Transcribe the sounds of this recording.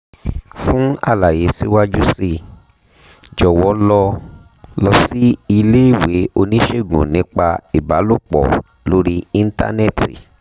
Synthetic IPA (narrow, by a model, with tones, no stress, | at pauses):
fũ˦a̰˦˨la˨je˨˦si˦wa˦d͡ʒu˦si˦˧˨ | d͡ʒɔ˨wɔ˨˦lɔ˧ | lɔ˧si˦i˧le˦i˦˨we˨˦o˧nĩ˦ʃe˦˨ɡṵ̃˨nĩ˨˦k͡pa˧i˨ba˨˦lo˦˨k͡pɔ̰˨ | lo˦ɾi˦i˦˧n̩˦ta̰˦ne˦˨tḭ˨